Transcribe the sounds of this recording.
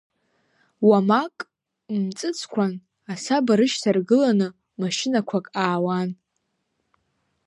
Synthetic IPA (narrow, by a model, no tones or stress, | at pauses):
wamakʼ | mt͡sʼɨt͡sʰʼkʷʰan | asabaɾɨʃsarɡɨlanɨ | maʃɪnakʷʰakʼaːwan